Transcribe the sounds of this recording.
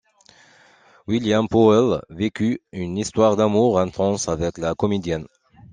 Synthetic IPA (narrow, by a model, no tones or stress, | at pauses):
wiljampɔɛlvekʲyynist̪waʁd̪amuʁɛ̃t̪χɑ̃savɛklakɔmed̪jɛn